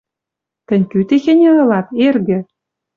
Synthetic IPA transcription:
t̪ɘ̆nʲkʲyt̪exʲĕnʲĕɤ̆lɑt̪erɡɘ̆

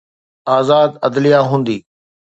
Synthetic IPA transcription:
aːzaːd̪ɐd̪lijaɦũːnd̪iː

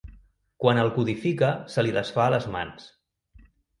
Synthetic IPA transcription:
kwanəlˠkuðifikəsəliðəsfaːləzma̰ns

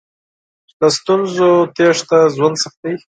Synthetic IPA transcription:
ləst̪unzot̪eʂt̪azwand̪saxt̪̚ai

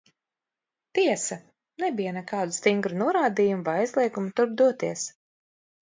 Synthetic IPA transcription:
t̪iɛsɐ | nɛbijanɛkaːd̪ust̪iŋɡɾunuɔɾaːd̪iːjumuvajajzlˠiɛɡumut̪uɾb̚d̪uɔt̪iɛs

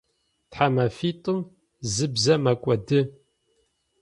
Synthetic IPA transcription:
tħamɐfiːtʼɨm | zɨbzɐmɐkʷʼɔdɨ

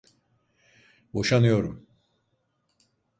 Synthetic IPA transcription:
bo̞ʃanɯjo̞ɾum

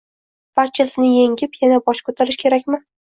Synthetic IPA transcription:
b̥aɾt͡ʃʰasɪnɪjeŋʲɪpjanabɒʃkʰɵt̪ʰaɾɪʃkʲʰe̞ɾakʲmɪ

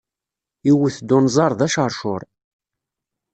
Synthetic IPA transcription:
iwəθd̪ːʊnzˤɑɾˤðæʃəɾˤʃʊɾˤ

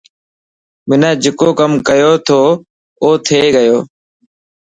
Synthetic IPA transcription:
mɪnãːd͡ʒɪkoːkəmkəjoːt̪ʰoː | oːt̪ʰeːɡəjoː

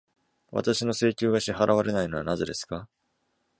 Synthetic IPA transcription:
βa̰t̪aɕino̞se̞ːkʲɨːɡaɕiɦaɾʔaβ̞aɾe̞naino̞anaze̞d̪e̞sɨ̥ka

